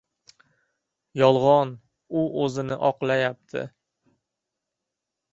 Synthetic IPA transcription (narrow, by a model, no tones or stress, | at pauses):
jɒlˠʁɒn | ʊʔɵzɪnɪʔɒqlˠajap̚t̪ʰɪ̰